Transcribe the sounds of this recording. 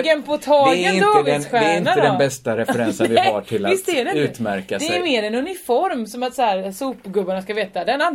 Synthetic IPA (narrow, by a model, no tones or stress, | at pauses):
ɡɛnpʰɔt̪ʰɑːənɪnd̪ɑːɡ̪ɛsɧæɛɾɪnɳat̪ːəd̪ɛnbɛstt̪aɾɛfɛɾɛsəvɪha̰ʈʰɪlavɪst̪d̪ɛːɾɛʉːt̪mæɾkad̪ɛmeːɾɛnɵnɪfɔɾmsɔmat̪sæːɾsuːpɡɵbːaɳaskaveːt̪ad̪ɛna